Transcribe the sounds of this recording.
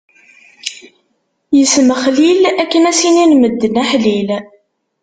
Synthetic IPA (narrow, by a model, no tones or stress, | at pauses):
jəsməχlilækːənæsininməd̪ːənæħlil